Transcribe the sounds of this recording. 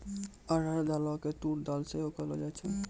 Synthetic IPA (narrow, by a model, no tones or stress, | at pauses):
əɾəɾd̪alɔket̪uɾd̪alseɦokəlɔ̰d͡ʒat͡ʃʰɛ